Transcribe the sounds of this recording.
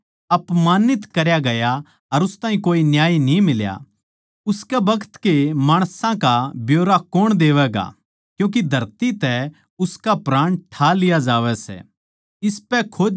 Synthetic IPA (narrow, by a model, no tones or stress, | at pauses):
ɐpmaːnɪt̪kɐɾjaɡɐja | ɐɾʊst̪ãːɦĩkoːinjaːinĩmɪlja̰ | ʊskɛbɐkʰt̪kemaːɽ̃sãkabjoːɾakoːɽ̃d̪eːʋɛɡa̰ | kjũːk̬id̪ʱɐɾt̪it̪ɛ | ʊskapɾãːɽ̃ʈʰalɪjad͡ʒaːʋɛsɛ̰ | ɪspɛkʰoː